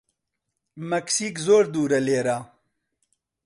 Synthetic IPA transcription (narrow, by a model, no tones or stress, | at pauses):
mɐksikzoːɾd̪uːɾɐleːɾaː